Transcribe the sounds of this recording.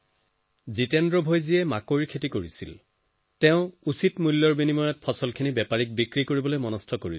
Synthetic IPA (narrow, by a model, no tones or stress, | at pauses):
zitɛndɹɔbʱojziɛmakoɹiɹkʰetikoɹisḭl | tɛʊ̃usitmulːɔɹbinimɔjɔt̚pʰɔsɔlkʰinibɛpaɹik̚bikɹikoɹibɔlojmɔnɔstʰɔkoɹil